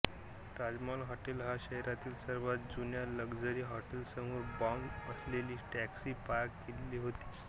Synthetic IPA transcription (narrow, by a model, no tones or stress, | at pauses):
t̪ad͡zmalɦɔʈelɦaɕəɦɾat̪iːlsəɾʋat̪̚d͡zunjaləɡd͡zəɾiːɦɔʈelsəmoːɾbɔməsleliːʈæksiːpaɾkːelliːɦot̪i̥ː